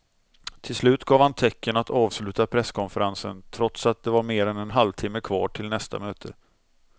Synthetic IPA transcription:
t̪ʰɪlslʉ̟ːt̪ɡɑːvhant̪ʰɛkːənat̪ʰɑːvslʉ̟ːt̪apʰɾɛskʰɔnfəɾansə̰nt̪ʰɾɔt̪sat̪̚d̪ɛvaɾmeːɾɛnɛnɦalvt̪ʰɪmːəkʰvɑ̰ːʈʰɪlnɛst̪a̰møːt̪ʰə

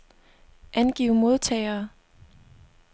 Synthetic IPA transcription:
ʔænɡ̥ḭʊmo̝ð̞ˠt͡sʰɛ̰ːɪɐː

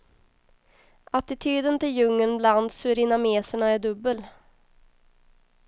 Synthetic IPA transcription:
ʔat̪ɪt̪ʰyːd̪ənt̪ɪljɵŋːənbland̪sʉɾɪnameːsəɳaæɖɵbːəl

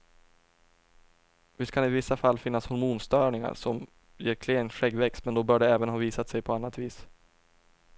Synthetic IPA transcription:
vɪskʰanɪvɪsːafalːfɪnːashɔɾmuːnst̪œːɳɪŋa̰ɾʂɔm | jeːɾkʰleːnɧɛɡvɛkst̪mɛnd̪ɔbœːɖɛɛːvənɦɑːviːsat̪sɛjpʰɔanːat̪viːs

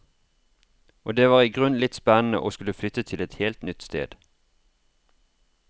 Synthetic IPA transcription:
ʔoːd̪eːʋɑːʁiːɡʁʉnlɪt̪spænn̩ə̰ʔoːskʉləflʏt̪ət̪ʰɪlɛt̪heːlt̪nʏt̪st̪ḛːd̪̥

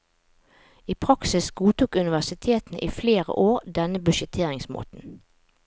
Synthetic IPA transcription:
iːpʰʁɑksɪsɡuːt̪uːkʉnɪʋæʁsɪt̪ʰeːt̪n̩ʔiːfleːʁə̰ʔoːʁd̪ɛnəbʉʃət̪ʰeːʁɪŋsmo̰ːt̪n̩

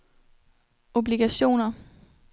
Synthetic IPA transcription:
o̝b̥liɡ̥æɕo̝̰ːnɐ

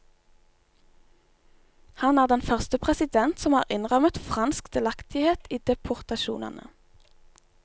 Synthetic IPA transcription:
hɑnæːʁd̪ɛnfœʁst̪əpʰʁɛsɪd̪ɛnt̪sɔmhɑ̰ːʁɪnʁœmət̪fʁɑnskd̪̥ɪlɑkt̪ʰɪheːt̪iːd̪̥ɛpʰʊʁt̪ɑʃṵːnɑ̰nʔə̰

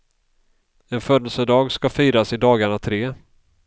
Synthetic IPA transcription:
ɛnfœd̪əlsəd̪ɑːɡskafiːɾasɪd̪ɑːɡaɳat̪ʰɾeː

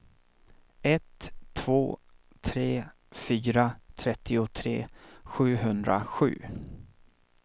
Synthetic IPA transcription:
ʔɛt̪ʰːv̥oː | t̪ʰɾeː | fyːɾat̪ʰɾɛt̪ʰːɪʊt̪ʰɾeːɧʉ̟ːɦɵnd̪ɾa̰ɧʉ̟̰ː

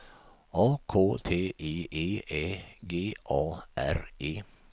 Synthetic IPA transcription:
ʔɑːkʰoːt̪ʰeːʔiːʔiːʔeːɡeːʔɑːʔæ̰ɾiː

